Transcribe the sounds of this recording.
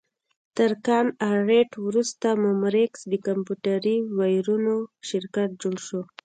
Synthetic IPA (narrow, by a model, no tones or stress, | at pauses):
t̪əɾkɑnaɾeʈwɾust̪amomɾeksd̪əkampuʈaɾiwajɾunoʃɪɾkaʈ̚d͡ʒoɽʃo